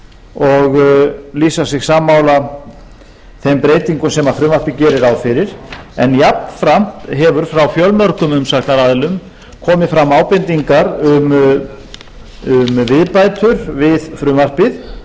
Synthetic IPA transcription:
ɔɣliːsasɪɣsaːmːaːwla | θejmpɾeːjt̪iŋkʏmsɛmaðfɾʏːmaɾ̥pɪcɛːɾɪɾawfɪɾɪɾ̥ɛnjapn̥fɾam̥t̪ɦɛvʏɾ̥fɾawfjœlmœɾ̥kʏmʏmsaknaɾaðɪlʏm | kʰɔːmɪfɾamːaːwpɪnt̪iŋkaɾʏm | ʏmvɪðpajt̪ʏɾvɪðfɾʏːmar̥pɪð

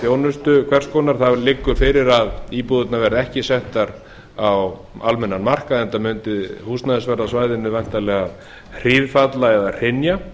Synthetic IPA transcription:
θjownʏst̪ʏkʰvɛr̥skɔːnaɾ̥θalɪkːʏfɪɾɪɾaðiːpuðʏt̪navɛɾðɪɛhcɪsɛht̪aɾ | aw | almɛnːanmar̥kaðɛnt̪amʏnt̪ɪðhust̪naðɪsvɛɾasvaːjðɪnːɪvajn̥t̪alɛːɣað | r̥iðfat̪laɛðar̥ɪnja

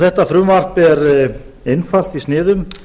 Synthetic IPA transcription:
θɛht̪afɾʏːmar̥pɛɾ | ejnfal̥t̪istnɪːðʏm

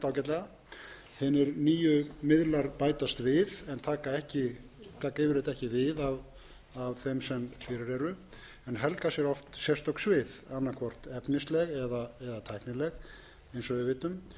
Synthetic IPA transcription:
t̪awcɛt̪lɛɣa | hɪnɪɾniːjʏmɪðlaɾpaːjt̪ast̪vɪðɛnt̪ʰaːkaɛhcɪ | t̪ʰaːkaɪvɪɾɪt̪ɛhcɪvɪðav | avθɛmsɛmfɪɾɪɾɛɾʏ | ɛnɦɛlkasjɛɾɔft̪sjɛr̥st̪ɔksvɪðanːaɾkʰvɔr̥t̪ɛpnɪst̪lɛɣɛðaɛðat̪ʰajhknɪlɛɣ | ejnsɔvɪðvɪːt̪ʏm

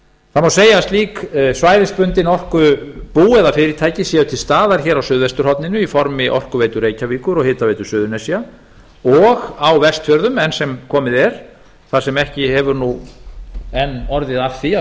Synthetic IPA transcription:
θamawseːjast̪liːksvaːjðɪspʏnt̪ɪnɔr̥kʏpuːɛðafɪɾɪt̪ʰaːjcɪsjɛðʏt̪ʰɪlst̪aːðaɾ̥çɛːɾawsʏːðvɛst̪ʏɾhɔwt̪nɪnʏifɔɾmɪʔɔ̰r̥kʏveːjt̪ʏɾeːjcaviːkʏɾɔɣhɪːt̪avejt̪ʏ̥sʏːðʏnɛsja | ɔɣawvɛst̪fjœɾðʏmɛnsɛmkʰɔːmɪðɛɾ̥ | θasɛmɛhcɪhɛvʏɾnu | ɛnːɔɾðɪðafθia

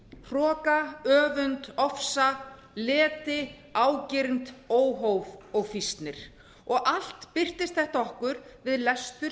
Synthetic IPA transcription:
r̥ɔːkaœːvʏnt̪ɔfsa | lɛːt̪ɪ | aːwcɪɾnt̪oːwɦowvɔɣfist̪nɪɾ̥ | ɔɣal̥t̪pɪr̥t̪ɪst̪̚θɛht̪aɔhkʏɾvɪðlɛst̪ʏ

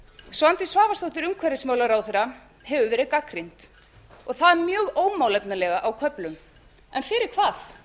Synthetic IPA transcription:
svant̪ɪsvaːvast̪owht̪ɪɾʏmkʰvɛɾɪsmaːwlaɾawθɛɾa | ɦɛvʏvɛːɾɪðkakɾin̥t̪ | ɔɣθaðmjœːɣoːwmaːwlɛt̪nalɛɣaʔawkʰœplʏm | ɛnfɪɾɪɾ̥kʰvaːθ

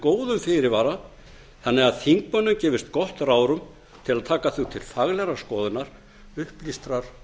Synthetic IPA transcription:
koːwðʏmfɪɾɪɾvaːɾa | θanːɛɣaðθiŋkmœnːʏmcɛːvɪst̪kɔht̪ɾraːwɾʏm | t̪ʰɪlaðt̪ʰaːkaθut̪ʰɪlfaɣlɛɾaskɔːðʏnaɾ̥ | ʏhplist̪ɾaɾ̥

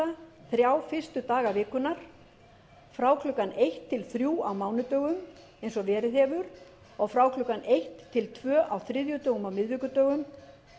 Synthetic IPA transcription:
aθɾjaːwfɪr̥st̪ʏt̪aːɣavɪːkʏnaɾ̥ | fɾaːwkʰlʏkːanejht̪ʰːɪlθɾjuːawmaːwnʏt̪œːɣʏm | ejnsɔvɛːɾɪðhɛːvʏɾ | ɔɣfɾawklʏkːanejht̪ʰːɪlt̪ʰvœːʔawθɾɪðjʏt̪œːɣʏmawmɪðvɪkʏt̪œːɣʏm

